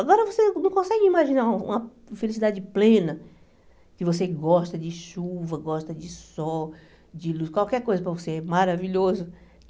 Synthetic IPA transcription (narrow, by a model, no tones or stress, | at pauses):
aɡɔɾɐvosenɐ̃w̃kõsɛɡɪimaʒinaũṵ̃mɐ | felisid̪ad͡ʒɪplẽnɐ | kɪvoseɡɔst̪ɐd͡ʒɪʃuvɐɡɔʃt̪ɐd͡ʒɪsɔ | d͡ʒɪluskwawkɛɾkojzɐpɾɐvoseɛmaɾaviʎozʊ